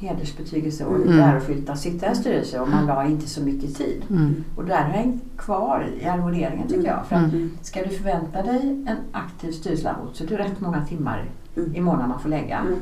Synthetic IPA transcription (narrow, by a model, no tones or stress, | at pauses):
heːd̪əʂbɛt̪ʰyːɡəlsəɔ̰æɾɔɧʏlt̪asɪt̪ʰːaɾɛnst̪yːɾəlsəɔmanlɑːɾɪnt̪əsɔmʏkːət̪ʰḭːd̪ɔd̪ɛæɾhaɾhɛŋkʰvɑːɾ̰ɪ̰aɾmʊd̪eːɾɪŋənt̪ʰʏkːəjɑ̰ːfœɾat̪skad̪ɵfœɾvɛnt̪ad̪ɛjɛnʔakt̪ʰiːvst̪yːɾəsəla̰ɾmṵːt̪sɔɛd̪ɛɾɛt̪ːmɔŋːat̪ʰɪmːa̰ɾ | ɪmoːnamanfoːlɛɡːa̰